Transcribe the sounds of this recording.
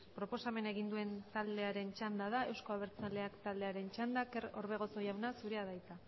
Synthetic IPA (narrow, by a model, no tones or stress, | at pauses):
pɾo̞po̞same̞ne̞ɣind̪ue̞nt̪ald̪e̞aɾe̞nt͡ʃand̪aðae̞wsko̞aβ̞e̞ɾt͡sale̞akt̪ald̪e̞aɾe̞nt͡ʃand̪akeɾo̞̰ɾβe̞ɣ̞o̞so̞jawnasuɾe̞aðajt͡s̪a